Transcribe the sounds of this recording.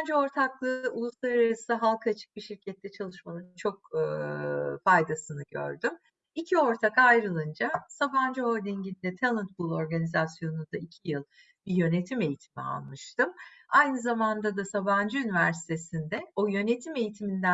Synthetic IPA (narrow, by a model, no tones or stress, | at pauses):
nd͡ʒɛo̞ɾt̪ʰaklˠɯulˠuslˠaɾaɾasɯɦalˠkʰaat͡ʃʰɯ̥k̚biʃiɾcʰɛt̪ːɛt͡ʃʰalˠɯʃmamɯnt͡ʃʰo̞k̚ː | fajd̪asɯnɯɟø̰ɾd̪ym | icʰio̞ɾt̪ʰakajɾɯlˠɯnd͡ʒasaband͡ʒɯoɾd̪iɲɟind̪ɛt̪ʰalˠɯnt̪̚bulˠo̞ɾɡanizasjo̞nund̪aicʰijɯlˠ | bijø̞ne̞t̪ʰime̞jit̪ʰimia̰lˠmɯʃt̪ɯmajnɯzamand̪ad̪asaband͡ʒɯynivæɾsi̥t̪ʰe̞sind̪ɛo̞jø̞ne̞t̪ʰime̞jit̪ʰimind̪æ